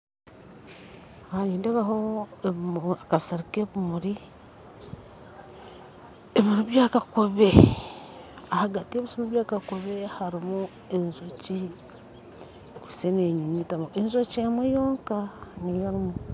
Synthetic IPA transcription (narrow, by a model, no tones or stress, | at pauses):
haɲiːndeβaɦoeakasaɾikeβumuɾi | eβiɾuβjaːkakuβe | ahaɡatieβisomuβjaːkakoβehaɾimu | enzoci | kuseneɲiɲitamoʔenzocemwejoːŋkanijaɾimu